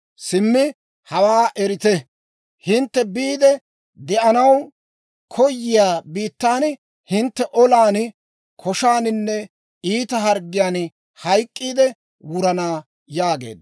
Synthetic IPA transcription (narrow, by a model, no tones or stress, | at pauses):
sɪmːɪ | hɐwaːʔɛɾɪt̪ɛ | hɪnt̪ːɛbiːd̪ɛ | d̪ɛʔɐnɐw | kʰɔjːɪjaːbiːt̪ːaːn | hɪnt̪ːɛʔɔlaːn | kʰɔʃaːnɪnːɛ | iːt̪ɐɦɐɾɡːɪjaːn | hɐjkʼːiːd̪ɛ | wʊɾɐnaː | jaːɡe̞̰ːd̪